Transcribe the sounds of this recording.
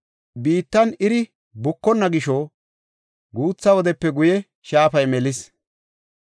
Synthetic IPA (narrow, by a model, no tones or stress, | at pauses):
biːt̪ːɐnɪɾɪ | bʊkːɔnːɐɡɪʃo | ɡuːt͡sːɐwɔd̪ɛpːɛɡʊjɛ | ʃaːfɐjmɛlɪs